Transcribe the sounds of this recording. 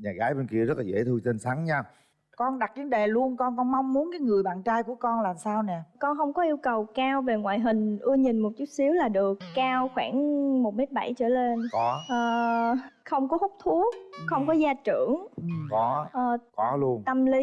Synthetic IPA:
ɲaː˨˩ɣaː˨˦jɓe˧nki˧əzə˦˥t̚laː˨˩ḛ˧˥˩t̪ʰɨ˧t͡ɕe˧nsa˨˦ŋɲa˧ | kɔ˧nɗa˨˩k̚ɗi˨˦ə˦nɗe˨˩lu˧ənkɔ˧nkɔ˧nma˧wŋ͡mmu˨˦ənkaː˨˦jŋɨ˨˩əjɓa̰ː˧˨nt͡ɕaː˧jku˧˩əkɔ˧nlaː˨˩msaː˧wnɛ˨˩kɔ˧nɦə˧wŋ͡mkɔ˨˦ʔi˧əwkə˨˩wkaː˧wve˨˩ŋwa̰ː˧˨jɦï˨˩ŋ̟ʔɨ˧əɲi˨˩nmo˨˩t̚t͡ɕu˦˥t̚si˨˦əwlaː˨˩ɗɨ˨˩əkːaː˧wxwaː˧˩nmo˨˩t̚me˦˥t̚ɓa˧˩jt͡ɕə̰ː˧˩le˧nkɔ˨˦ʔəː˨˩xə˧wŋ͡mkɔ˨˦hu˦˥k͡p̚t̪ʰu˨˦ək̚xə˧wŋ͡mkɔ˨˦zaː˧t͡ɕɨ̰˧˩˨əŋ˨˩kɔ˨˦ʔəː˨˩kɔ˨˦lu˧ənt̪ə˧mli˨˦

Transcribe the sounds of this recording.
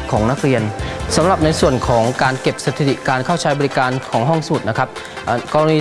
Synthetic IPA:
kʰɔː˩˦ŋna˦˥k̚ɾi˧ənsa˩˦mɾa˨˩p̚na˧jsu˨˩ənkʰɔː˩˦ŋkaː˧nke˨˩p̚sa˧t̪ʰi˨˩t̪ḭ˨˩kaː˧nkʰaː˥˩wt͡ɕʰaː˦˥jbɔː˧ɾi˦˥kaː˧nkʰɔː˩˦ŋɦɔ˥˩ŋsa˧mu˨˩t̪̚na˦˥kʰɾa˦˥p̚ | ʔkɔː˧ɾniː˧

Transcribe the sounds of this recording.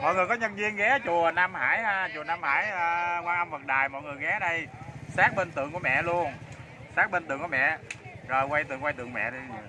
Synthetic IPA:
mɔ̰˧˨jŋ˨˩əjkɔ˨˦ɲə˧nvi˧ənɣɛ˨˦t͡ɕu˨˩ənaː˧mhaː˧˩jhaː˧t͡ɕu˨˩ənaː˧mha̰ː˧˩jəː˧kwaː˧ŋʔa˧mvə˨˩t̚ɗaː˨˩jmɔ̰˧˨jŋɨ˨˩jɣɛ˨˦ɗə˧jsaː˦˥k̚ɓe˧nt̪ɨ̰˨˧˨əŋku˧˩mɛ̰˧˨lu˧ən | saː˦˥k̚ɓe˧nt̪ɨ˨˧˨əŋku˧˩mɛ̰˧˨zəː˨˩jkwa˧jt̪ɨ˨ŋkwa˧jt̪ɨ̰˧˨əŋmɛ̰˧˨ɗə˧˨

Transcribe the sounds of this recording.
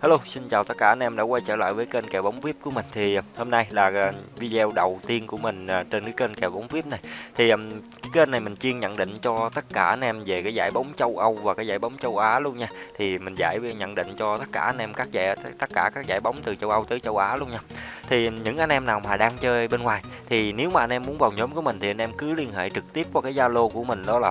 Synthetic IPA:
haː˧lo˧sï˧nt͡ɕaː˨˩wt̪ə˦˥kaː˧˩a˧nʔɛ˧mɗa̰ː˧˥kwa˧jt͡ɕəː˧˩la̰ː˧˨jvəː˨˦jke˧nkɛ˧˩wɓa˨˦wŋ͡mfi˦˥əp̚ku˧˩əmï˨˩ŋ̟t̪ʰi˨˩ho˧mna˧jlaː˨˩˨vi˧zɛ˧wɗə˨˩wt̪i˧ənku˧˩əmï˨˩ŋ̟ː˨˩t͡ɕe˧nkaː˨˦ke˧nkɛ˨˩wɓa˨˦wŋ͡mvi˦˥p̚na˨˩jt̪ʰi˨˩ʔə˨˩mkaː˨˦ke˧na˨˩jmï˨˩ŋ̟t͡ɕi˧əŋɲə̰˧˨nɗḭ̈˧˨ŋ̟t͡ɕɔ˧t̪ə˦˥t̚kaː˧˩ʔa˧nʔɛ˧mve˨˩kaː˨˦jzaː˧˩jɓa˨˦wŋ͡mt͡ɕə˧wʔə˧wvaː˨˩kaː˨˦jzaː˧˩jɓa˨˦wŋ͡mt͡ɕə˧wʔaː˨˦lu˧ənɲaː˧t̪ʰi˨˩mï˨˩ŋ̟za̰ː˧˩jɲə̰˧˥nɗḭ˧˨ŋ̟t͡ɕɔ˧t̪ə˦˥t̚kaː˧˩ʔa˧nʔɛ˧mkaː˦˥k̚za˧˩t̪ə˦˥t̚kaː˧˩kaː˦˥k̚zaː˧˩jɓa˨˦wŋ͡mt̪ɨ˨˩t͡ɕə˧wʔə˧wt̪əː˨˦jt͡ɕə˧wʔaː˨˦lu˧əŋɲaː˧t̪ʰi˨˩ɲɨ̰˧˥ŋʔa˧jŋ̟ʔɛ˧mnaː˨˩wmaː˨˩ɗaː˧ŋt͡ɕəː˧jɓe˧nŋwaː˨˩j | t̪ʰi˨˩ne˨˦wmaː˨˩ʔa˧nʔɛ˧mːu˨˦nvaː˨˩wɲo˨˦mku˧˩˦əmï˨˩ŋ̟t̪ʰi˨˩ʔjn̟ʔɛ˧mkɨ˨˦li˧ənɦḛ˧˨jt͡ɕɨ˨˩k̚t̪i˦˥əp̚t͡ɕɔ˧˩kaː˨˦jzaː˧lo˧ku˧˩əmï˨˩ŋ̟ɗɔ˨˦laː˨˩

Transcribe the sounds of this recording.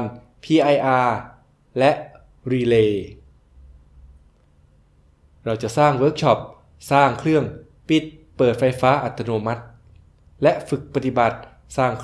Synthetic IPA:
n | pʰiː˧ʔa˧jʔaː˧ | lɛ˦˥ʔ | ɾiː˧leː˧ | ɾa˧wt͡ɕa˨˩ʔsaː˥˩ŋwɤː˦˥k̚t͡ɕʰɔ˦˥p̚ | saː˥˩ŋkʰɾɯ˥˩əŋ | pi˨˩t̪̚pɤː˨˩t̪̚fa˧jfaː˦˥ʔa˨˩t̪ʰːa˧noː˧ma˦˥t̪̚ | lɛ˦˥ʔfɯ˨˩k̚pa˧t̪i˨˩ba˨˩t̪̚ | saː˥˩ŋkʰ

